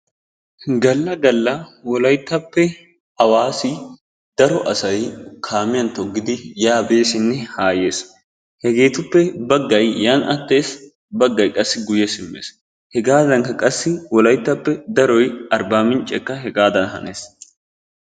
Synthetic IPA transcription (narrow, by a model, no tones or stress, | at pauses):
ɡɐlːɐɡɐlːɐwɔlɐjt̪ːɐpːɛ | ɐwaːsɪ | d̪̥ɐɾɔʔɐsɐjkʰaːmɪjɐnt̪ɔɡːɪd̪ɪjaːbe̞ːsɪnːɛhaːje̞ːs | hɛɡe̞ːt̪ʊpːɛbɐɡːɐjjaːnɐt̪ːe̞ːs | bɐɡːɐjkʼɐsːɪɡʊjɛsɪmːḛːs | hɛɡaːd̪ɐŋkɐkʼɐsːɪwɔlɐjt̪ːɐpːɛd̪ɐɾɔjɐɾbaːmɪnt͡ʃʼɛkːɐɦɛɡaːd̪ɐnɦɐ̰neːs